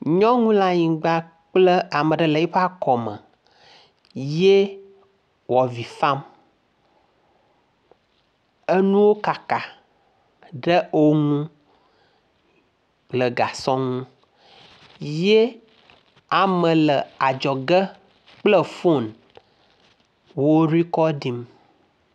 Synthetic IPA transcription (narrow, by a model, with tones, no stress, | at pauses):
ɲɔ̃˦ŋũ˦la˦ɲĩ˨ɡ͡ba˦ | k͡plə˦a˨mə̃˨ɖə˦lə˨i˦ɸa˦kɔ˨mə˨ | je˦ | wɔ˨vi˨fã˦m | ə˦nũ˦wo˦ka˨ka˨ | ɖə˦o˦ŋũ˦ | lə˨ɡa˨sɔ̃˦ŋũ˦ | je˦ | a˨mə̃˨lə˨a˨d͡ʒɔ˨ɡə˦ | k͡plə˦fo˦˨n | wo˦ɾi˦kɔ˦ɖi˦m